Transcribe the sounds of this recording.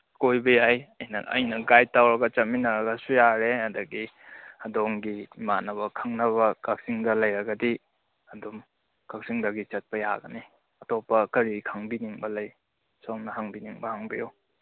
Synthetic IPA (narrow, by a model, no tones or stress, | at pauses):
kojbɐjajɐjnɐʔɐ̰jnɐɡajtawɾɐɡɐt͡ʃɐminɐɾɐɡɐsujaɾehɐdɐɡi | ɐdoŋɡimanɐβɐkʰaŋnɐβɐkak̚siŋdɐlɐjɾɐɡɐdi | ɐdom | kak̚siŋdɐɡit͡ʃɐt̚pɐja̰ɡɐni | ɐtɔpːɐkɐɾikʰaŋbiniŋbɐlɐj | somnɐɦaŋbiniŋbɐhaŋbijo